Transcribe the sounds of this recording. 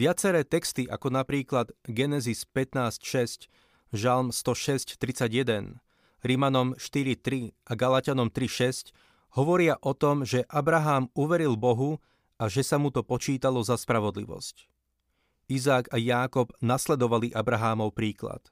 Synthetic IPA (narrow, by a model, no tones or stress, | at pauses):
ʋɪat͡sɛɾɛːt̪ɛkst̪iʔa̰kɔnapɾiːklad̪ɡɛnɛzispɛt̪naːscʃɛsc | ʒalmst̪ɔʃɛsct̪ɾit͡saɟjɛd̪ɛn | ɾimanɔmʃt̪iɾit̪ɾiʔaɡalacanɔmt̪ɾiʃɛsc | hɔʋɔɾɪaʔɔt̪ɔmʒɛʔabɾaɦaːmuʋɛɾilbɔɦu | aʒɛsamut̪ɔpɔt͡ʃiːt̪alɔzaspɾaʋɔd̪lḭʋɔ̰sc | izaːkajaːkɔbnaslɛd̪ɔʋaliʔabɾaɦaːmɔʊpɾiːkla̰t̪